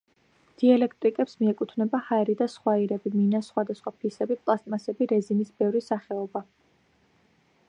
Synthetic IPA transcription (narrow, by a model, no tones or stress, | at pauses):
d̪̥ialɛkʰt̪ʼɾikʼɛpsmiɛkʼut̪ʰvnɛbahaɛɾid̪asχwaiɾɛbiminasχwad̪asχwapʰisɛbipʼlˠast̪ʼmasɛbiɾɛzimisbɛvɾisaχɛɔba